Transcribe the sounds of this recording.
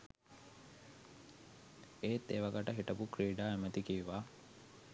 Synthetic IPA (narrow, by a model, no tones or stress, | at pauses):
eːt̪ːḛʋaɡəʈəɦiʈəpukɾiːɖaːemət̪ikiʋʋaː